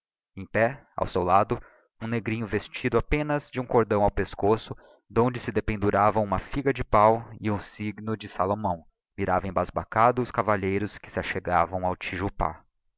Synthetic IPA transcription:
ẽj̃pɛa̰wsewlad̪ʊ | ũneɡɾĩɲʊvest͡ʃid̪ʊapẽnɐzd͡ʒɪũkoɾd̪ɐ̃w̃awpeskosʊ | d̪õnd͡ʒɪsɪd̪epẽnd̪uɾavɐ̃w̃umɐfiɡɐd͡ʒɪpawɪũsiɡnʊd͡ʒɪsalomɐ̃w̃ | miɾavẽj̃bazbakad̪ʊʊskavaʎejɾʊskɪ̥sɪaʃeɡavɐ̃w̃awt͡ʃiʒupa̰

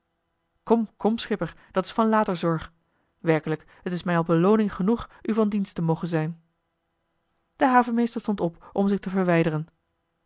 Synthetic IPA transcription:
kɔmkɔmsχɪpəɹ | d̥ɑtɪ̥sfɑnlaːtəɹzɔɹχ | ʋɛɹkələk | ɦətɪsmɛjɑlˠbəlownɪŋχənuχyvɑndinstəmowχənzɛjn | d̥əɦaːvəmejstəɹstɔntɔpʔɔmzɪχtəvəɹʋɛjdərən

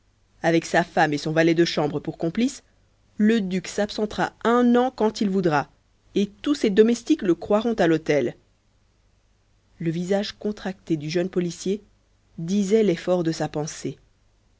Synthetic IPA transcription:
avɛksafamesɔ̃valɛd̪əʃɑ̃bʁəpuʁkɔ̃plis | ləd̪yksapsɑ̃t̪χa̰ɛ̃nɑ̃kɑ̃t̪ilvud̪ʁa | et̪used̪ɔmɛst̪ikləkχwaʁɔ̃t̪alot̪ɛl | ləvizaʒkɔ̃t̪χakt̪ed̪yʒənpɔlisje | d̪izɛlɛfɔʁd̪əsapɑ̃se

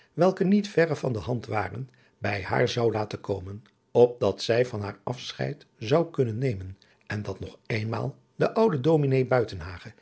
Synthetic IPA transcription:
ʋɛlˠkənitfɛrəv̥ɑndəɦɑntʋa̰ːrə̰n | bɛjha̰ːɹzɑwlaːtəkowmən | ɔp̚dɑtsɛjvɑnɦaːɹɑfsχɛ̰jtzɑwkɵnənːejmən | ʔɛndɑtnɔχejnma̰ːlˠ | dəʔʌwdədominejbœɥtənɦaːχə

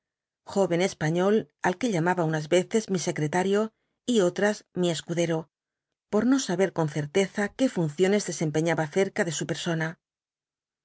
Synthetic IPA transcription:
xo̞βe̞ne̞spaɲo̞l | alke̞ʎamaβaunazβe̞θe̞zmise̞kɾe̞t̪aɾjo̞ | io̞t̪ɾazmie̞skuðe̞ɾo̞ | po̞ɾno̞saβe̞ɾko̞nθe̞ɾt̪e̞θake̞funθjo̞ne̞zðe̞se̞mpe̞ɲaβaθe̞ɾkaðe̞supe̞ɾso̞na

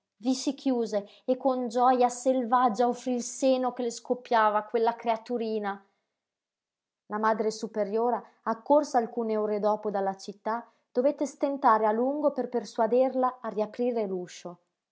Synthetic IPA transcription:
visikʰjuːzeː | kːond͡ʒɔjaselvad͡ʒːaofɾilseːnokeleskopːjaːvakwelːakɾeat̪uɾiːna | lamad̪ɾesupeɾjoːɾaː | kːorsaːlkuːneoːɾed̪ɔːpod̪alːat͡ʃit̪ːa | d̪̥ovet̪ːest̪ent̪aːɾealuŋɡoperperswad̪erlaːriapɾiːɾeluːʃo

